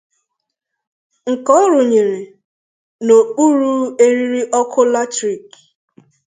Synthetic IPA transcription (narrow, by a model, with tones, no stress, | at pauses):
ŋ̩˨kɔ˦ɾʊ˨ɲe˨ɾe˨ | no˨k͡pu˦ɾu˦e˦ɾi˦ɾi˦ʔɔ˦kʰʊ˦la˦tɾi˨k